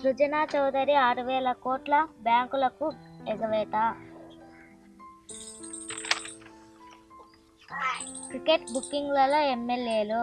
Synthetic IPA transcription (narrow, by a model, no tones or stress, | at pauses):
ɾud͡ʒɐnaːt͡ʃɔwd̪ɐɾiaːɾuʋɛːlɐkoːʈlɐbjaːŋkulɐkueɡɐʋɛːʈ̪a | kɾikeʈbukːiŋɡlɐloːemːeljeːlu